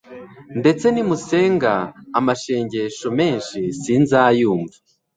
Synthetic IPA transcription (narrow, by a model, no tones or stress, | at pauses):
nde̞t͡se̞nimuse̞ːŋɡaːmaʃeːɲɟe̞ʃo̞me̞ːnʃisiːnzaːjuːɱva